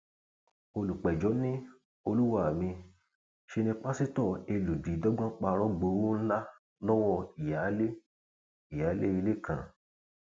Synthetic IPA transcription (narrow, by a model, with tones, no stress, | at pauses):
o˧lu˨k͡pɛ˨d͡ʒɔ˨˦nĩ˦ | o˧lu˦wa˦˨mĩ˧ | ʃe˧nĩ˧k͡pa˦si˦tɔ˦˨e˧lu˨bi˨˦dɔ˦ɡ͡bã˦k͡pa˧ɾɔ˦ɡ͡bo˨˦wo˦n̩˦la˦ | lɔ˦wɔ˦˧i˨ja˨˦le˦ | i˨ja˨˦le˦i˧le˦˨kʰã̰˨